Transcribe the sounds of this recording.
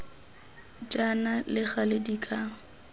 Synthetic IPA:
d͡ʒʼanalɪχalɪdikʼa

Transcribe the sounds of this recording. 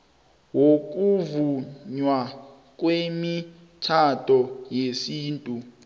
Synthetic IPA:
wok̬uvuɲwa | k̬wemi | tʰatʰʼɔjesiːntʼu

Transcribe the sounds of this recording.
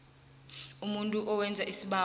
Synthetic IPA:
umuntʼuʔɔwɛnd͡zʱaʔisiɓa

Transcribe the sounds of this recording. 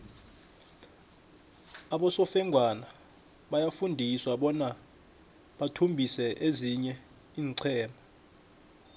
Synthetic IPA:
aɓɔsɔfɛŋɡʱwana | ɓajafundʱiswaɓɔna | ɓatʰumbʱisɛʔeziɲɛ | iːnǀʰɛːmbʱa

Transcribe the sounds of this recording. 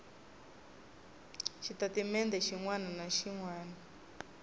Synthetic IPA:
ʃit̪atimɛnd̪ɛʃiŋwananaʃiŋwaːna

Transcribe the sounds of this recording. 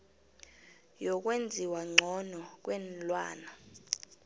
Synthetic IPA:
jɔk̬ʼwend͡zʱiwaŋ͡ǀʱɔnɔk̬wɛnlwa̰ːna

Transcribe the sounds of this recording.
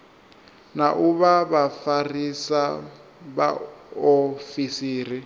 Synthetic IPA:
naʔuβaβafarisaβa̰ofisiːri

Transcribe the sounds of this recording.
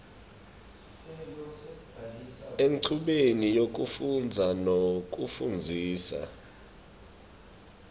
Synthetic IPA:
eŋǀʰuɓenijok̬ʼufund͡zʱanok̬ʼufund͡zʱiːsa̰

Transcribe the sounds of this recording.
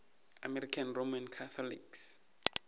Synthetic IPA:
amɛɾikʰanromankʰat̪ʰɔlḭks

